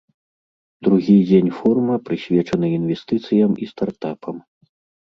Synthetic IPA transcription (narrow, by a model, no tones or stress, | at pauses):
d̪ɾuɣʲid͡zʲenʲfɔrmɐpɾɨsʲvʲɛt͡ʂɐnɨinvʲɛst̪ɨt̪sɨjɐmist̪art̪apʰɐm